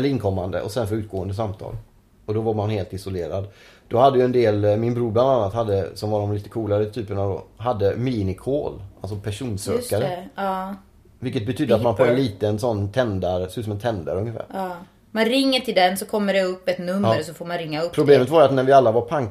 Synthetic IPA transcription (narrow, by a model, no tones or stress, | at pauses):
ɛləɾɪnkʰɔmːa̰nd̪ə̰ʔɔ̰sɛnfœɾʉ̟ːt̪ɡoːənd̪əs̬amt̪ʰɑ̰ːl | ɔd̪ɔvaɾmanheːlt̪ɪsɔleːɾa̰d̪ | d̪̥ɔhad̪ːəjʏɛnd̪eːlmɪnbɾuːɾbland̪anːat̪had̪ːəsɔmvaɖɔmliːt̪ə̥kʰuːlaɾət̪ʰyːpəɳad̪ɔ̰ɦad̪ːəmiːnɪkʰoːlʔalsɔpʰæʂuːnsøːkkaɾə | vɪlkət̪̚bɛt̪ʰyːd̪əat̪manpʰoɛnliːt̪ənsɔnːt̪ʰɛnd̪aɾsʉːsɔmɛnt̪ʰɛnd̪ə̰ɾɵŋəfæ̰ːɾ | manɾɪŋːəʈʰɪld̪ɛnsɔkʰɔmːəɖɛɵpːɛt̪nɵmːəɾɔsɔfoːɾmanɾɪŋːaɵpʰɾʊbleːmət̪vaɾjat̪næɾvɪalːavaɾpʰaŋk